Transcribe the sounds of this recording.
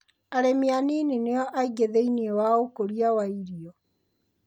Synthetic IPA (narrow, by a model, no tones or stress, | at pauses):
aɾemjaninineɔʔaiɣeðeiniewaokoɾiawaiɾiɔ